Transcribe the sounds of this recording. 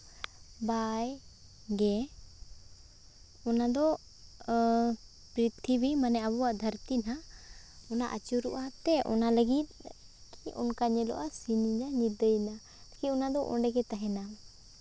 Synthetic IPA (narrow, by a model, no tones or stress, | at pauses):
baj | ɡɛ | ɔnad̪ɔ | pɾit̪ʰibimanɛabɔwaʔd̪ʱəɾt̪ina | ɔnaʔa̰t͡ʃuɾuʔat̪ɛʔɔ̰naləɡit̪̚ˀ | kiʔɔ̰nkaɲɛlɔ̰ʔasiniɲaɲid̪əjna | t̪akiɔnad̪ɔʔɔ̰̃ɳɖɛɡɛt̪aɦɛna